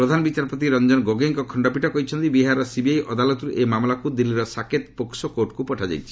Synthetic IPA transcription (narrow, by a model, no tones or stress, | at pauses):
pɾɔd̪ʱanɔbit͡ʃaɾpot̪̬iɾɔnd͡ʒɔnɡoɡeŋkɔkʰɔɳɖɔpiʈʰɔkɔɦjt͡ʃʰɔnt̪ibiɦaɾɔsibiajʔɔd̪alɔt̪ɾuʔemamlakud̪ilːiɾɔsakʰet̪poksɔkoɾʈkupɔʈʰad͡ʒa̰jt͡ʃʰi̥